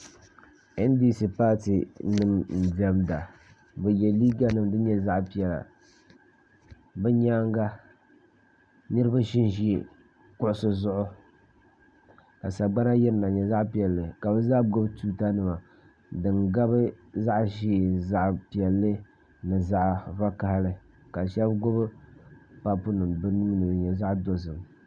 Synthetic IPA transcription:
ɛ˦n˦di˦si˨paː˦ti˨nɨ˦mn̩˨di˨ɛ˦mda˨ | bɛ˨jɛ˨liː˦ɡa˦nɨ˦˨mdɨ˦ɲɛ˦za˦ʔpi˨ɛ˨la̰˨ | bɛ˦ɲaː˦ŋɡa˦ | nɨ˦ɾɨ˦ba˦ʃi˦nʒi˦˨ | kʊ˦ʔʊ˦sɨ˦zʊ˦ʔʊ˦ | ka˨sa˨ɡ͡ba˦na˦jɛ˦ɾɨ˦na˨ɲɛ˨za˦ʔpi˨ɛ˨lːɨ˨ka˨bɨ˦za˦ɡo˦bɨ˦tuː˦ta˦nɨ˦˨ma˨ | dɨ˨ŋɡa˦bɨ˦za˦ʔʃi˦˨za˦ʔpi˨ɛ˨lːɨ˦ | nɨ˨za˦ʔva˦ka˨hlɨ˨ | ka˨ʃɛ˦bɡo˦bɨ˦ | pa˦pʊ˦nɨ˨mbɨ˦nuː˦nɨ˨ɲɛ˨za˦ʔdo˨s̬ɨ˨m

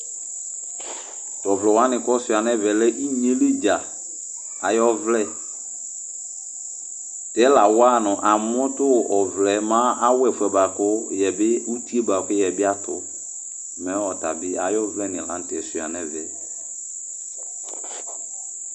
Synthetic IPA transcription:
tɔ˨vlɔ˨wa˦nɪ̃˨kɔ˦sʊ˨a˨nɛ˦vɛ˨lɛ˦ʔi˦ɲẽ˨˦le˦d͡ʒa˨ | a˨jɔ˦vlɛ˦ | tɛ˨˦la˨wa˦nʊ̃˨ʔa˨m˦ʊ̃˦tʊ˦˨ʔɔ˨vlɛ˨mã˦a˦wɛ˨fʊ˨ɛ˨ba˨kʊ˦jɛ˨bɪ˦u˦ti˦e˦ba˨kʊ˦jɛ˨bɪ˦a˦tʊ̰˨ | mɛ̃˨˦ɔ˨ta̰˨bɪ˦a˨jɔ˦vlɛ˦nɪ̃˨lã̰˨˦n̩˦tɪ˨ɛ˨sʊ˨a̰˨nɛ̃˦vɛ̰˨

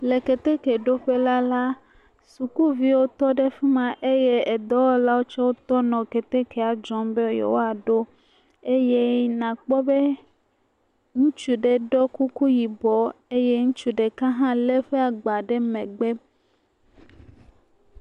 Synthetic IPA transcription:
le˨ke˨t̪e˦ke˨ɖo˦ɸe˦la˦la˦ | su˨ku˦vi˦wo˦t̪ɔ˦ɖe˦fi˦mã˨ʔe˦je˦e˨d̪ɔ˦wɔ˦la˦wo˦t͡ʃɔ˦wo˦t̪ɔ˦nɔ̃˨ke˨t̪e˦ke˨a˨d͡ʒɔ̃˦mbe˦jḛ˨wo˦a˨ɖo˦ | e˦je˦nã˨k͡pɔ˦be˦ | ŋũ˦t͡ʃu˨ɖe˨ɖɔ˦ku˦ku˦ji˨bɔ˨e˦je˦ŋũ˦t͡ʃu˦ɖe˨kã˦ɦã˦le˦ɸe˦a˨ɡ͡ba˨ɖe˦mẽ˨ɡ͡be˦

